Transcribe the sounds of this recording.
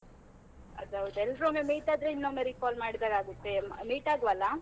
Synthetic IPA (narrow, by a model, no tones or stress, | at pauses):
ɐ̰d̪ɐʋɐt̪ɛlɾomemiːʈaːd̪ɾeinːomeɾikaːlmaːɽid̪aɾaːɡut̪ːe̞miːʈaːɡuʋɐlːa